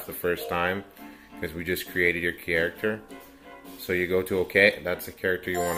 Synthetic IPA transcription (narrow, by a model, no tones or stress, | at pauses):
ðəfɜ˞stʰãɪ̃m | kʰʌzwid͡ʒʌskʰɹ̥ieɪɾɨdjə˞kʰɛɹɨk̚tʰə˞ | soʊjɨɡoʊɾɨoʊkʰeɪðætsɨkʰɛɹɨk̚tʰə˞jɨwɑ̃n